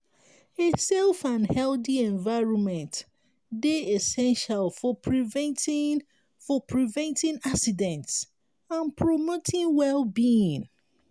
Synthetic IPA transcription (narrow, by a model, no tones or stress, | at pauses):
ɪtsɛlˠfãnhɛlˠdiɛ̃ɱvaɪɹɔ̃nmɛ̃nt | deɛsɛ̃nʃalˠfɔpʰɹiṽnt | fɔpʰɹivɛ̃ntĩnaksidɛ̃nts | ãnpʰɹɔmotʰĩnwɛlˠbiĩn